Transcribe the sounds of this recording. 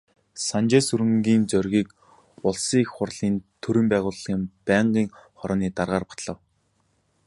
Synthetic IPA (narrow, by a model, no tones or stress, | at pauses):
sant͡ɕeːsɵɾɘ̆ŋɡiːnt͡sœrʲɣʲiːk | ʊɮsiːxχʊrɮiːnt̪ʰɵɾɘ̆mpæːʁʊːɮʁiːmpæːɴɢiːŋχɔɾɔːniːt̪arʁaːrpḁt̪ɮə̆w